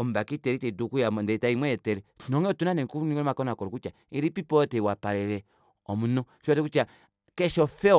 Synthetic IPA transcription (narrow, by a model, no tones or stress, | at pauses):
ɔm̩bakitɛɾit͡ʃɛdukujamndɛtaimwɛɛtɛɾɛnɔŋɛɔtunanɛkuniɔmakɔnakɔɾɔkut͡ʃa | iɾipipɔtɛwapaɾɛɾɛ | ɔmunɔ | ʃɔtɛkut͡ʃa | kɛʃɔfɛɔ